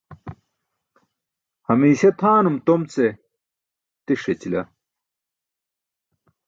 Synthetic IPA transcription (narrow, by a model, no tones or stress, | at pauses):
hɐmiːɕet̪ʰaːnumt̪omt͡se | t̪iʂet͡ɕilɐ